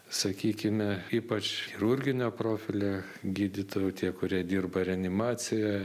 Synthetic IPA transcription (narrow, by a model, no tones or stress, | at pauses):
sɐkʲiːkʲɪmʲɛiːpɐt͡ʃxʲɪɾʊɾʲɡʲɪnʲoːproːfʲɪlʲe | ɡʲiːd̪ʲɪt̪oːjʊt̪ʲiɛkʊɾʲiɛd̪ʲiːrbɐɾʲɛɐnʲɪmɑːsʲɪjɛ